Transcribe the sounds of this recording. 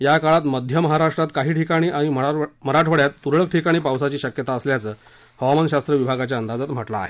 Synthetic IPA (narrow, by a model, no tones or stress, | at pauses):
jakaɭat̪məd̪ʱjəməɦaɾaʂʈɾat̪kaɦiːʈʰikaɽ̃iːʔaɽ̃imətm̤əɾaʈʰʋəɽjat̪ːuɾɭək̚ʈʰikaɽ̃iːpawsat͡ɕiːɕəkjət̪aəsljat͡səː | həʋamanɕast̪ɾəʋibʱaɡat͡ɕjaənd̪ad͡zat̪m̤əʈla̰ːɦe